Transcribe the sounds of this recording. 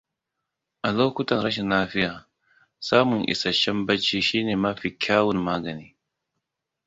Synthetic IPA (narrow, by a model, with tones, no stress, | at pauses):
ʔa˨loː˦kʷʊ˦tɐ˨nɾɐ˦ʃ̬ɛ˨nːaː˦ɸɪ˦jaː˨ | saː˦mʊ˨ŋʔɪ̰˨sɐ˨ʃɐ˦mbɐ˦t͡ʃːiː˦ʃiː˦neː˨mɐ˦ɸi˨kʲʰaː˦wʊ˨mmaː˦ɡɐ˨niː˦